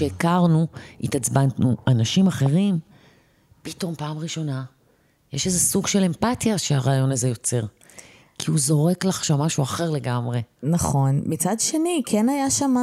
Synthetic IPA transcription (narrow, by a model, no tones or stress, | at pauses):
ʃeːkaʁnuit̪at͡sbantnuʔanaʃimaχe̞ʁim | pito̞mpaːmʁiʃo̞na | jeʃezesuɡʃe̞le̞mpatjaʃeaʁaːjo̞nazejo̞t͡se̞ʁ | kʰiuzo̞ʁe̞klaχʃamːaʃuaχe̞ʁle̞ɡamʁe̞naχo̞nmit͡sadʃe̞nikʰenajaʃama